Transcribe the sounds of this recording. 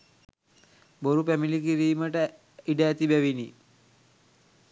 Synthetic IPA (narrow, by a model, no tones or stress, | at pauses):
boɾupæmilikiɾiːməʈə | iɖəːt̪ibæʋini